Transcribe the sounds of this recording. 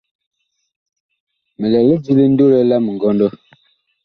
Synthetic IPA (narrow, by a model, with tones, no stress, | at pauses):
mə˨lɛ˨li˦d͡ʒi˦li˦n̩˦do˦lɛ˦la˦mə˨ɡɔ˦ndɔ˦